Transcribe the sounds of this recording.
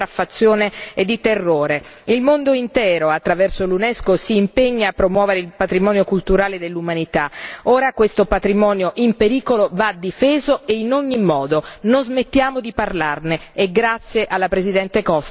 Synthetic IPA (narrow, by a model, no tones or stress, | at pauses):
ɾafːat̪sːjoːneed̪ːit̪erːoːɾeilmond̪oint̪ɛːɾoat̪ːɾavɛrsolunɛskosiːmpeɲːaːpːɾomwɔːveɾeilpat̪ɾimɔːnjokult̪uɾaːled̪elːumanit̪aoːɾakwest̪opat̪ɾimɔːnjoʔimpeɾiːkolovad̪ifeːzoeinoɲːimɔːd̪ononzmet̪ːjaːmod̪iparlarneːɡɾat̪sːjeʔalːapɾezid̪ɛnt̪ekɔs